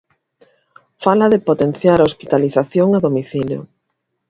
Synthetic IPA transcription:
falɐðɪpot̪enθjaɾaospit̪aliθaθjoŋaðomiθiljo̰

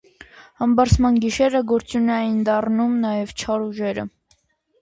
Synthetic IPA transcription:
hɑmbɑɾsʰmɑnɡiʃɛɾəɡɔɾt͡sunɛjind̪ɑrnumnɑjɛvt͡ʃʰɑɾuʒɛɾə̰

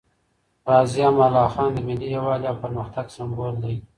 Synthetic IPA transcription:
ɾɑːzijɑmalɑːxɑːnd̪əmɪlːijawɑːljɑwpəɾməxt̪aɡsambold̪a

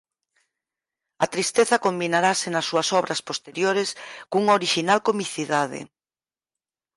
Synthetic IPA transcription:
ɐt̪ɾist̪eθɐkombinaɾasenɐsːuɐsɔβɾɐspost̪eɾjoɾeskuŋoɾiʃinalkomiθiðaðɪ̰

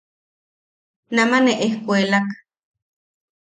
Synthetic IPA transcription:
namaneʔehkʷelak

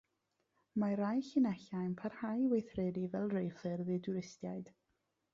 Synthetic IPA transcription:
maɾajɬɪnɛɬajnpʰarhajwejθrɛdivɛlˠrejfɨrðɨduɾɪstjajd̥

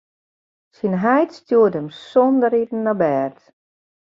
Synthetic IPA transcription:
sinɦɛjtstjuːtəmsɔndəɾitn̩ːabɛːrt

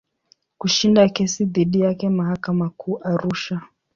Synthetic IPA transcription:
kuʃindakɛsiðiɗijakɛmaɦakamakʰuːʔaɾuʃa

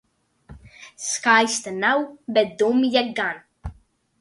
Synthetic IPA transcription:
skajst̪ənawbɛt̚d̪umjɛɡan

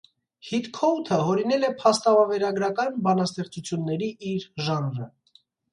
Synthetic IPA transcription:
hit̪kʰɔt̪ʰəɦɔɾinɛlɛpʰɑst̪ɑvɑvɛɾɑɡɾɑkɑnbɑnɑst̪ɛχt͡sut͡sʰjunːɛɾiiɾʒɑnɾə

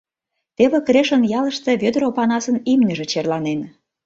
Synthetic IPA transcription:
t̪eβekreʃənjɑlə̆ʃt̪ĕβød̪əɾopɑnɑsənimnʲəʒĕt͡ɕerlɑnen

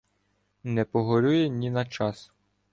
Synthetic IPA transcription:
nɛpɔɦɔɾʲujɛnʲinɐt͡ʃɑs

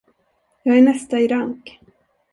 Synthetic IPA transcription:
jɑːɡæɳɛst̪aɪɾaŋk

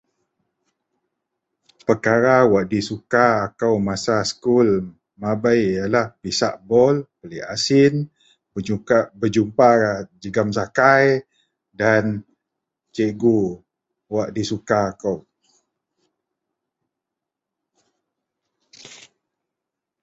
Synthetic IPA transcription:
pərkaɾawaʔdisukaːkawmasaskul | mabajjalahpisaʔbɔlpəliʔasɪn | bəabəd͡ʒumparad͡ʒəɡamsakaj | dan | t͡ʃeɡu | waʔdisukaːkaw

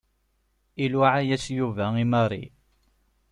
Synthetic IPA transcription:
ilwaʕajæsjuvæimɑrˤḭ

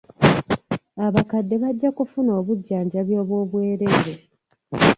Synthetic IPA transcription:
aβakadːe̞βaɟːakufuno̞ːβuɟːaːɲɟaβjo̞ːβwo̞ːβwe̞ːɾe̞ːɾe

